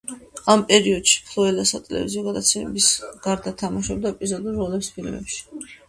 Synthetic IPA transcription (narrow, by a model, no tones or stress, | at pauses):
ampʼɛɾiɔd̪̥ʃi̥pʰlɔɛlasat̪ʼɛlɛ̰vḭziɔɡad̪at̪sʰɛmɛ̰bisɡ̥aɾd̪at̪ʰamaʃɔb̚d̪aɛpʼizɔd̪ulːɔlɛpspʰilmɛ̰pʃi̥